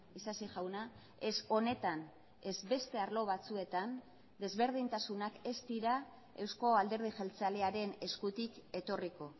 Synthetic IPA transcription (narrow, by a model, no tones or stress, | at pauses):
isasiʝawna | e̞so̞ne̞t̪an | e̞zbe̞st̪e̞aɾlo̞β̞at͡sue̞t̪an | d̪e̞zβe̞ɾð̞int̪asunake̞st̪iɾa | e̞wsko̞ald̪e̞ɾð̞iʝe̞lt͡saleaɾe̞ne̞skut̪ike̞t̪o̞riko̞